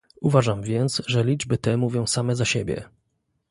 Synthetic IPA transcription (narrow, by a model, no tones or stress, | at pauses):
uvaʐamvʲjɛnt̪sʐɛlʲid͡ʐbɘt̪ɛmuvʲjɔ̃w̃samɛzaɕebʲjɛ̰